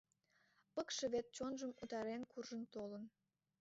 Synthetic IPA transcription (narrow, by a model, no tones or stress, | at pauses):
pəkʃeβet̪̚t͡ɕonʒəmut̪ɑɾenkurʒənt̪olən